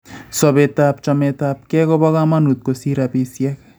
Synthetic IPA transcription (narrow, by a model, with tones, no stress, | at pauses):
sɔ˨bet̪ap̚t͡ʃɔmet̪a˦p̚kɛ˦kɔ˦bɔ˦ɣa˦ma˦nu˨t̪̚ko˨si˦ɾa˨pi˧sjɛ˦k̚